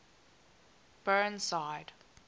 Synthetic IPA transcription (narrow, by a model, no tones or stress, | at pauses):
b̥ɜ̃nsaɪd̥